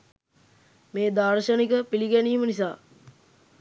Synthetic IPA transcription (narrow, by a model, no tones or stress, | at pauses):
meːd̪arʃənikəpiliɡæniːmənisaː